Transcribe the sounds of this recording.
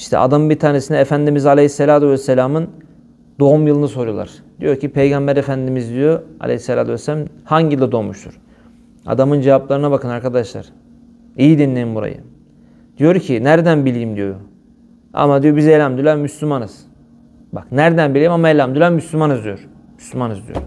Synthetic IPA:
iʃt̪ʰɛ̰a̰d̪ambit̪ʰaːnesinɛːfænd̪imizalʲehisːelʲaːt̪ʰuvɛsːelʲaːmɯn | d̪̥o̞umjɯlˠɯnɯso̞ɾujolˠa̰ɾ̥d̪̥ijo̞ɾcʰipʰe̞jɡambæɾefænd̪imizd̪ijoa̰lʲʔʲḛhisːelʲa̰ːt̪ʰuvɛsːelʲamhaɲɟilad̪o̞ːmuʃt̪ʰuɾ̥ | a̰d̪amɯnd͡ʒevaplˠaɾɯnabakʰɯnaɾkʰad̪aʃlˠa̰ɾ̥ | ijid̪inlʲejimbuɾa̰jɯ̰ | d̪̥ijo̞ɾcʰinæɾd̪ænbilʲijimd̪ijo̞ɾu | a̰mad̪ijobizejlʲamd̪ylʲæɾmyslʲymanɯz̥ | baknæɾd̪ænbilʲiimamaelʲamd̪ylʲæmmyslʲymanɯzd̪ijo̞ɾ̥ | my̥slʲymanɯzd̪ijo̰ɾ

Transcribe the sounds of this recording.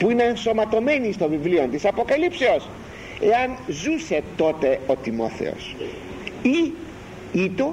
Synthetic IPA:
puinenso̞mɐt̪o̞menist̪ovivliont̪isɐpo̞kɐlipseos | eɐnzuset̪ot̪eot̪imo̰θḛo̰s | i | it̪o

